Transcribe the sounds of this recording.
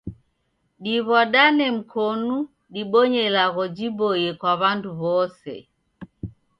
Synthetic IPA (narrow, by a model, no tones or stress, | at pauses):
ɗiβɔɗanɛm̩kʰɔnu | ɗiɓɔɲɛlaɣɔd͡ʒibɔjɛkwaβanduβɔsɛ̰